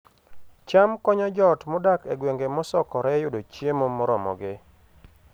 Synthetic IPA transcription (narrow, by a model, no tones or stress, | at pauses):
t͡ʃamkɔɲɔd͡ʒɔtmɔdakeɡweŋɡemɔsɔkɔɾɛjʊdot͡ʃjemomɔɾɔmɔ̰ɡɪ